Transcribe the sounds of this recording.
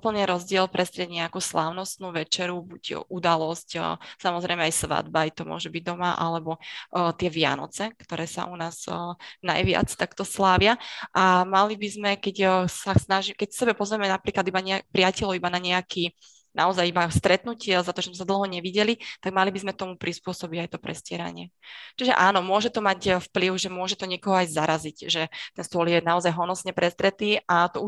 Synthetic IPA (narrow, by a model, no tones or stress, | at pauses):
upl̩nɛɾɔzɟɪɛlpɾɛst̪ɾɛɟɲɛakuːslaːʊnɔst̪nuːʋɛt͡ʃɛɾubuɟʔud̪alɔscːsamɔzɾɛjmɛajsʋa̰d̪bajt̪ɔmʊɔ̰ʒɛbiɟ̚d̪ɔmaʔa̰lɛbɔt̪ɪɛʋɪa̰nɔ̰t͡sɛkt̪ɔɾɛːsa̰ʔunaːz̥na̰jʋɪa̰t͡st̪akt̪ɔslaːʋɪaʔamalibizmɛkɛcsasnaʒikɛcsɛbɛpɔzʋɛmɛnapɾiːklad̪ibaɲɛapɾɪacɛlɔibanaɲɛakʰiː | naɔzajibast̪ɾɛt̪nucɪɛzat̪ɔʒɛzmɛs̬ad̪l̩ˠɦɔɲɛʋiɟɛlit̪aɡmalibizmɛt̪ɔmupɾispʊɔsɔbiɟajt̪ɔpɾɛ̰scɪɛɾa̰ɲɪɛt͡ʃiʒɛ̰ʔaːnɔmʊɔʒɛt̪ɔmaɟfpliʊʒɛmʊɔʒɛt̪ɔɲɪɛkɔɦɔajzaɾazicʒɛt̪ɛnst̪ʊɔljɛnaɔzajɦɔnɔsɲɛpɾɛst̪ɾɛt̪iːʔat̪ɔu